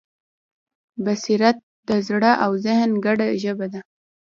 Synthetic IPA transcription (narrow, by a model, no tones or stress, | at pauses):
basiɾat̪̚d̪əzɽaʔawzɪhnɡaɽaʒəbad̪a